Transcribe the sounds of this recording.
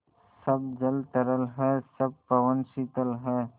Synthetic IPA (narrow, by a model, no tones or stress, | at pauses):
sɐbd͡ʒəlt̪əɾəlɦɛːsɐb̚pɐʋənʃit̪əlɦɛː